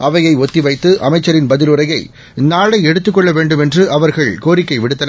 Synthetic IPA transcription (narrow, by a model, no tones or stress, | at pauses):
ʔɐʋɐjɐɪɔt̪ːiʋɐɪt̪ːɯʔɐmɐɪt͡ʃːɐɾɪnbɐðɪlɯɾɐjɐɪ | naːɭɐɪɛɽɯt̪ːɯkːɔɭːɐʋeːɳɖɯmɛndrɯʔɐʋɐɾɣɐɭkoːɾɪkːɐɪʋɪɽɯt̪ːɐn